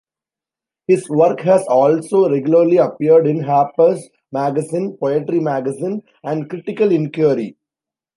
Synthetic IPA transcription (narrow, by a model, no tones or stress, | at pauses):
hɪzʋʌɾkɦæzɔːlsoːɾeɡjʊləɾliɐpiəɾɖɪ̃nɦæːpəs | mæɡəsĩːnpɔeʈɾimæɡəzĩːn | æ̃ɳɖkɾɪʈɪkəlɪ̃nkjuɾḭ